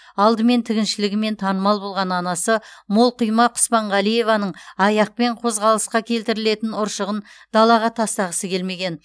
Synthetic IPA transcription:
ɑlˠd̪əme̞nt̪ʰɪɡʲɪnʃɪlɪɡʲɪme̞nt̪ʰɑnəmɑlˠbo̞lˠʁɑnɑnɑsəmolˠqʰʊjmɑqʰʊ̥spɑɴʁɑlˠije̞vɑnəɴɑjɑq̚pe̞ɴqʰo̞zʁɑlˠəsqɑkʲʰe̞lt̪ɪɾɪle̞t̪ɪnʊɾʃəʁənd̪̥ɑlˠɑʁɑt̪ʰɑst̪ɑʁəsəkʲe̞lme̞ɡʲe̞n

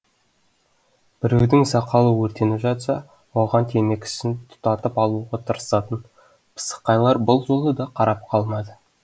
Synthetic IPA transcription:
b̥ɪɾewd̪ɪŋzɑqʰɑlˠəwɵɾt̪e̞nɪpʒɑt̪sɑ | wo̞ʁɑnt̪ʰe̞me̞kʲɪ̥sɪnt̪ʰʊ̥t̪ɑt̪əpɑlˠuʁɑt̪ʰəɾəsɑt̪ən | pʰə̥sə̥qːɑjlˠɑɾbəlˠʒo̞lˠəd̪ɑqʰɑɾɑp̚qʰɑlˠmɑd̪ə

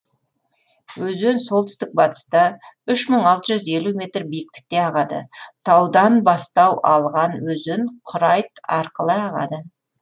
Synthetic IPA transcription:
wɵzenso̞lˠt̪ɪst̪ɪk̚bɑt̪ə̥st̪ɑʏʃməɴɑlˠt̪əʒʏze̞lume̞t̪rbijɪk̚t̪ɪ̥k̚t̪e̞ɑʁɑd̪ə̰t̪ʰɑwd̪ɑnbɑst̪ɑwʔɑlˠʁɑnwɵzɪnqʰʊɾɑjt̪ɑɾqəlˠəɑʁɑ̰d̪ə

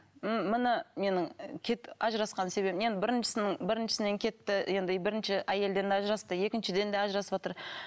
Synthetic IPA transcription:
mmənəme̞nɪŋkʲʰe̞t̪ɑʒɾɑsqɑnse̞be̞pɪnje̞nd̪ɪbɪɾɪnʃɪ̥sɪnɪɴbɪɾɪnʃɪ̥sɪne̞ŋkʲʰe̞t̪ːɪje̞nd̪ɪbɪɾɪnʃɪʔæje̞ld̪e̞nd̪eɑʒɾɑst̪əje̞kʲɪnʃɪd̪e̞nd̪eɑʒɾɑsəpot̪əɾ

